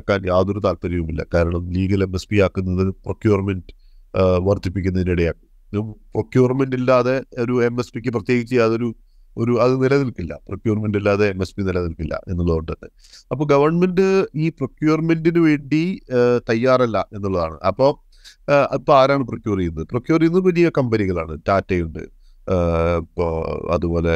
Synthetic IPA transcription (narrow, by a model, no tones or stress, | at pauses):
kːaːnjaːðo̞ɾut̪aːlt̪ɐɾjɐʋumilːɐ̰kaːɾɐɳɐmliːɡɐle̞me̞spiaːkːunːɐðɨprokjuːrmend | ʋɐrt̪ipːik̬ʲːunːɐðiniɽɐjaːkːum | prokjuːrmenɖilːaːðe̞oɾuemespikʲːɨprɐt̪je̞ːɡit͡ɕːɐjaːðo̞ɾu | oɾuɐðɨnilɐnilkilːɐ̰prokjuːrmenɖilːaːðeeme̞spinilɐnilkilːɐ̰ʔe̞nːuɭːɐɳɖɐnːɨ | ɐpːoɡɐʋɐrɳme̞ndɨiːprokjuːrmendinɨʋe̞ːɳɖit̪ɐjːaːrɐlːɐʔe̞nːuɭːɐðaːɳɨ̰ʔɐpːo̞ | pːoaːɾaːɳɨprokʲjuːrijunːɐðɨprokjuːrijnːɐɨʋɐlijɐkɐmbɐniɣɐɭaːɳɨtaːtːɐjuɳɖɨ̰ | ipːoɐ̰ðubo̞ːle̞